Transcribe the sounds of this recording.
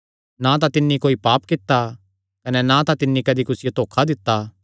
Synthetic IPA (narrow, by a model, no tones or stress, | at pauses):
nãt̪̬ãt̪ɪnːikoːipaːpkɪt̪ːa | kɐnɛnãt̪ãt̪ɪnːikɐd̪ikʊsɪjot̪oːkʰad̪ɪt̪ːa